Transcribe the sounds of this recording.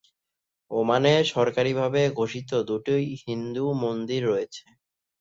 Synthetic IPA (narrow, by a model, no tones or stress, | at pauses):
omaneʃɔɾkaɾibʱabeɡʱoʃit̪od̪uʈijhind̪umond̪iɾːɔet͡ɕʰe̥